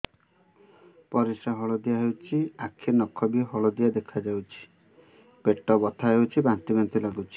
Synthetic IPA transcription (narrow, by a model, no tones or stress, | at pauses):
pɔɾisaɦɔɭɔd̪ijaɦewt͡ʃʰiakʰinɔkʰɔbiɦɔɭɔd̪ijad̪ekʰad͡ʒawt͡ʃʰi̥ | peʈɔbɔt̪ʰaɦewt͡ʃʰibant̪ibent̪ilaɡut͡ʃʰi̥